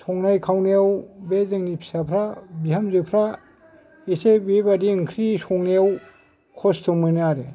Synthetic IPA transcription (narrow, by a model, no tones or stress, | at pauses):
sʰɔŋnajkʰawnejawbezɯŋnipʰi̥sapʰɾabihamzɯpʰɾa | esebebadiɯŋkʰɾisʰɔŋnejaw | kʰɔstʰɯmɯnaɾe